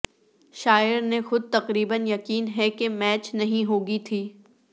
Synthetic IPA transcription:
ʃaːɪɾnexʊd̪̚t̪ɐqɾiːbənjɐqiːnɦɛkemɛːt͡ʃnɐɦĩɦoːɡit̪ʰiː

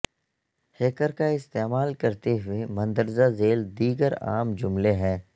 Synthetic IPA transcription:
heːkəɾkaɪst̪eːmaːlkɐɾt̪eɦʊemɐ̃nd̪əɾzazeːld̪iːɡəɾa̰ːmd͡ʒʊmleɦɛ̃ː

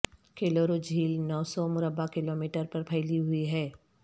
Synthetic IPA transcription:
keːloːɾod͡ʒʱiːlnɔːsɔmʊɾəbakɪloːmiːʈəɾpɐɾpʰɐɪliɦʊiɦɛː

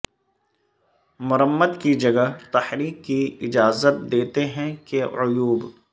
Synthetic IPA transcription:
mʊɾəmːəd̪kid͡ʒɐɡat̪ɐhɾiːkːiɪd͡ʒaːzət̪̚d̪eːt̪eɦɛ̃keʊjuːb

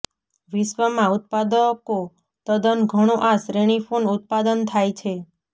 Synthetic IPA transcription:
ʋiʃʋəmãut̪̚pad̪əko | t̪əd̪ənɡʱəɽ̃oʔasɾeɽ̃ifʰonut̪̚pad̪ənt̪ʰajt͡ʃʰe

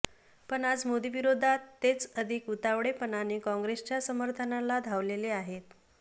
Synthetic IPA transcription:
pəɳad͡zmod̪iʋiɾod̪ʱat̪ːet͡səd̪ʱikut̪aʋɽepənaniːkɔ̃ŋɡɾest͡ɕasəməɾt̪ʰənalad̪ʱaʋleleaɦet̪

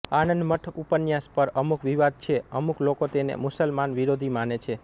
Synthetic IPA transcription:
anənd̪məʈ̪ʰupənjaspəɾəmukʋiʋad̪̚t͡ʃʰeəmuklokot̪enḛmusəlmanʋiɾod̪ʱimanet͡ʃʰe

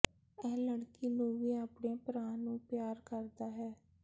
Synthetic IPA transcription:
ɛːləɽkiːnũːʋiːaːpɳeːpɾãːnũːpjaːɾkəɾd̪aːɦɛː

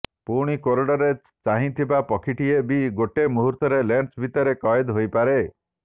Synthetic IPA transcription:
puɽ̃ikoɾɔɽɔɾe | t͡ʃaɦĩt̪ʰibapɔkʰiʈiebiɡoʈemuɦuɾt̪ɔɾeleɳsbʱit̪ɔɾekɔjed̪ɦojpaɾe

